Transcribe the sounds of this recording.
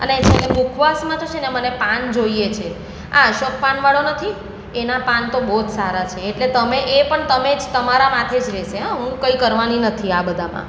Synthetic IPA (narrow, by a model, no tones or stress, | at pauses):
ənet͡ʃʰekemukʰʋasmãt̪ot͡ʃʰenemənepand͡ʒoiet͡ʃʰe | a̰ʃok̚paɳʋaɭonət̪ʰi | enapant̪obot̪saɾat͡ʃʰeːʈlet̪əmeʔepəɳt̪əmed͡ʒt̪əmaɾamãt̪ʰed͡ʒɾɛʃeɦãɦũkəikəɾʋaninət̪ʰiabəd̪ʱamã̰